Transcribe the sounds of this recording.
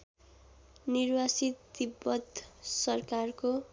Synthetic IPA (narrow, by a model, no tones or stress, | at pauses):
nirwasit̪d̪ibːʌt̪sʌrkarko